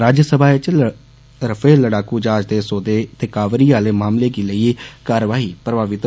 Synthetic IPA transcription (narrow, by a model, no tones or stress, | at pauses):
ɾaːd͡ʒəsəbʱaːet͡ʃ | ɾəfʰeːləɽaːkuːd͡ʒaːd͡ʒd̪eːsoːd̪eːt̪eːkaːʋɾiːaːleːmaːmleːɡiːləiːkaːɾʋaːɦiːpɾəbaːʋɪt̪